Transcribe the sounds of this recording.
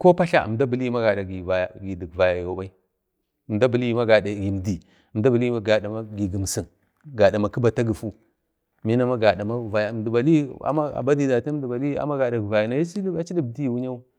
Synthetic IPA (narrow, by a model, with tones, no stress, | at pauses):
ko˦pa˦ɬa̰˦ə̰˨mda˦bi˨li˦i˦ma˦ɡa˨da˨ɡi˨va˨ja˨ɡi˨di˨ɡva˨ja˨jo˨˦ba˦i˦˨ | m˨da˦bə˨li˦i˦ma˦ɡa˨da˨ɡi˨m˨di˨ | ə˨m˨da˦bə˨li˦a˦ɡa˨da˨ma˦ɡi˨ɡi˨m˨si˨n | ɡa˨da˨ma˨ki˦ba˨ta˦ɡə˨fu˦ | mi˦na˦ma˦ɡa˨da˨ma˦˨va˨ja˨m˨di˨ba˨li˦a̰˨ma˦a̰˨ba˦di˨da˨ta˦di˨ba˨li˦a̰˦ma˦ɡa˨da˨ɡi˨va˨ja˨na˨˦ja˦si˦li˦a˦t͡ʃi˦di˦˨bdi˦jwu˦ɲa˦u˦